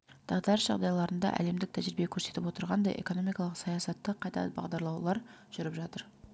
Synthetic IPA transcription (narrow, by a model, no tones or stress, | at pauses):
d̪̥ɑʁd̪ɑɾəsʒ̥ɑ̰ʁd̪ɑjlˠɑɾənd̪ɑ̰ʔæ̰le̞md̪ɪk̚t̪ʰæʒɾɪbekʲʰɵɾse̞t̪ɪpwo̞t̪əɾʁɑnd̪ɑ̰jʔḛko̞no̞mijkɑlˠəqsɑjɑsɑt̪ːəqʰːɑjt̪ɑ̰bɑ̰ʁd̪ɑɾlˠɑwlˠɑɾ | ʒ̥ʏɾɪpʒɑt̪əɾ